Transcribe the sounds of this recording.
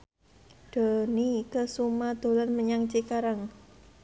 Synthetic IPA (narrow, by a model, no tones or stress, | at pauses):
d̪̥onikəsumad̪̥o̤lanməɲaŋt͡ʃikaɾəŋ